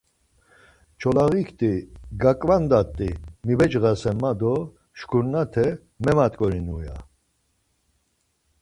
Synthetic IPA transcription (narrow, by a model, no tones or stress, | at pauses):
t͡ʃʰɔlaɣikʰt̪ʼiɡakʼvand̪at̪ʼːimibɛt͡ʃɣasɛmad̪ɔ | ʃkʰuɾnat̪ʰɛ | mɛmat̪ʼkʼɔɾinṵja̰